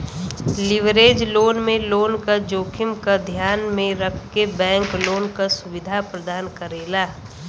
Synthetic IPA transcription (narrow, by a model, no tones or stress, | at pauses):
lɪʋɾeːd͡ʒloːnmẽloːnkad͡ʒoːkʰɪmkad̪ʱjaːnmẽɾəkʰkebɛ̃ːŋkloːnkasʊʋɪd̪ʱapɾəd̪aːnkəɾeːlaː